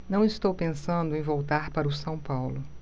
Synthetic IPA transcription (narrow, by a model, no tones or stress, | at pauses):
nɐ̃w̃ɪst̪owpẽsɐ̃nd̪ʊẽj̃vowt̪aɾpaɾʊsɐ̃w̃pawlʊ